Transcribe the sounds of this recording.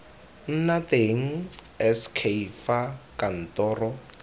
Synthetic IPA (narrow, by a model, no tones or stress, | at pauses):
n̩nateŋ̩ɛskʰeifakan̩tɔːrɔ